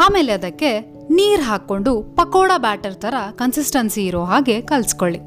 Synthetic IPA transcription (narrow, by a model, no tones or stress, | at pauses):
aːmeːleɐd̪ɐkːe̞ | niːɾɦaːkːo̞ɳɖupɐkɔːɽɐbaːʈɐɾt̪ʰɐɾɐkɐnsisʈɐnsiːɾoːɦaːɡe̞kɐlsi̥koɭːi